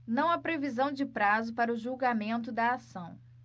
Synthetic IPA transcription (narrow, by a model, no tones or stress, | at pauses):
nɐ̃w̃apɾevizɐ̃w̃d͡ʒɪpɾazʊpaɾɐʊʒuwɡamẽnt̪ʊd̪ɐːsɐ̃w̃